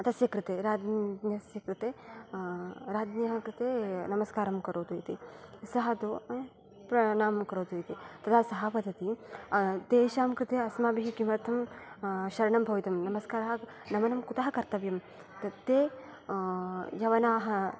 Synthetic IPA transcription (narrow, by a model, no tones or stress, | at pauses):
ɐt̪ɐsjɐkɾɪt̪eːɾaːd̪nɐsjɐkɾɪt̪eː | ɾaːd̪nɐɦɐkɾɨt̪eːnɐmɐskaːɾɐmkɐɾoːt̪ujit̪isɐɦɐt̪oː | pɾɐnaːmkɐɾoːt̪ujit̪it̪ɐt̪ʰaːsɐɦɐpɐd̪ʱɐt̪iɐd̪eːʃaːmkɾɪt̪eːɐsmaːbiɦikimɐɾt̪ʰɐm | ʃɐɾɐɳɐmbʱɐʋit̪ɐmnɐmɐskaːɾɐɦɐ | nɐmɐnɐmkut̪aɦɐkɐɾt̪ɐʋjɐm | t̪ɐt̪ːeː | jɐʋɐnaːɦɐ